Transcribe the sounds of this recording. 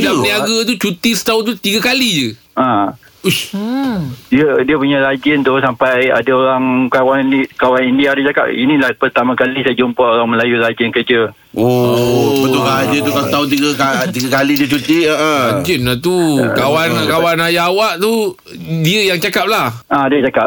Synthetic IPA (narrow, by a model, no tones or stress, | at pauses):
daniaɡat̪ut͡ʃut̪isə̥t̪aʊnt̪ut̪iɡakalid͡ʒə | ã | u | diədiəpuɲãɾad͡ʒɪnt̪usampaja̰daoɾaŋkawankawanindiadat͡ʃaka̰p̚inĩlahpərt̪amãkalisajəd͡ʒumpaoɾaŋməlajulad͡ʒɪnkəd͡ʒə | obət̪ukad͡ʒət̪ukat̪aʊnt̪iɡəkat̪iɡakaliduət͡ʃut̪iəʔəad͡ʒinlat̪ukkawankawanajaːwaʔt̪u | diəjaŋt͡ʃakap̚lahʔadiət͡ʃakap